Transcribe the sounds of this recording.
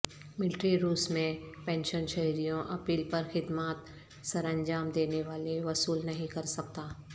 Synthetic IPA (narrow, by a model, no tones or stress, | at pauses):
mɪlɪʈɾiɾuːsmẽpɛ̃ːnʃənʃɐɦɾijõʔɐpiːlpɐɾxɪd̪maːt̪ | sɐɾə̃ɲd͡ʒaːmd̪eːneʋaːleʋɐsuːlnɐɦĩkɐɾsɐk̚t̪aː